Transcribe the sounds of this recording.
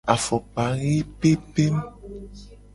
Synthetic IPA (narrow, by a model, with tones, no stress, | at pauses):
a˨fɔ˨k͡pa˨ɣi˦pe˦pe˦m˦